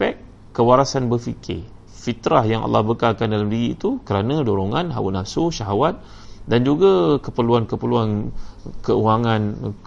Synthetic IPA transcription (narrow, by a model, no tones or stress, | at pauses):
pɛk | kːəwaɾasanbəfḭkʰɪ̰ | fit̪ɾahjaŋʔa̰lːɑhbəkakandalamdiɾiːt̪ukəɾanãdoɾoŋanɦa̰wṵnafsoʃaɦawat̪̚ | dand͡ʒuɡakəpəluankəpəluankəuaŋãn